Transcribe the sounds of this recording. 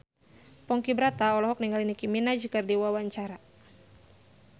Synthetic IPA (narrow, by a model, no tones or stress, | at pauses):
pɔŋkibɾat̪aɔlɔɦɔk̚niŋɡalinikiminad͡ʒikardiwawaɲt͡ʃaɾa